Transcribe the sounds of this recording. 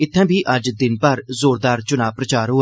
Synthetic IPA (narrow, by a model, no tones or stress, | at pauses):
ɪt̪ʰːɛ̃ːbʱiːʔəd͡ʒd̪ɪnpəɾzoːɾd̪aːɾt͡ʃʊnaːʋpɾət͡ʃaːɾɦoː